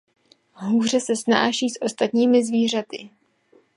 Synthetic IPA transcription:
ɦuːr̝ɛsɛsna̰ːʃiːsʔo̞st̪at̪ɲiːmɪzviːr̝at̪ɪ

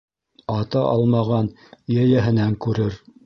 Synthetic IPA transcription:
ɑt̪ɑʔɑ̰lˠmɑʁɑn | jæjæɦɘ̆næŋkʉɾɘɾ

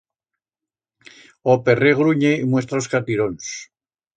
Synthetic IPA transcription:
opereɣɾuɲeimwe̞st̪ɾaskat̪iɾons

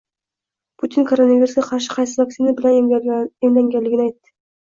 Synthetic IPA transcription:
pʰut̪ʰɪnkʰoɾonaviɾusɡʲaqʰɑɾʃɪ̥qʰɑjsɪvak̚sinabɪlanemlaŋɡʲanlːɪɡʲɪnɪajt̪ːɪ̥

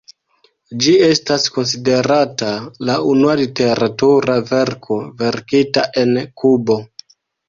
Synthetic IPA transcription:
d͡ʒie̞stasko̞ns̬ide̞ɾatalaunualite̞ɾatuɾave̞ɾkʰo̞ve̞ɾkitaʔe̞nkubo̞

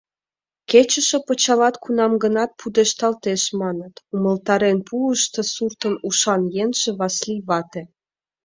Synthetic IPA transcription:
ket͡ɕə̆ʃĕpət͡ɕɑlɑt̪kunɑmɡənɑt̪̚pʰud̪eʃt̪ɑlt̪eʃmɑnət̪uməlt̪ɑɾenpʰuəʃt̪ɤsurt̪ənuʃɑnjenʒĕβɑsliβɑt̪e

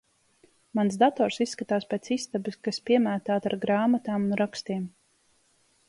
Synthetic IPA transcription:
mans̬d̪at̪ɔːɾsisːkat̪aːspeːt̪sist̪abɨskaspʲiɛmæːt̪aːt̪aɾɡɾaːmat̪aːmunɾakst̪iɛm

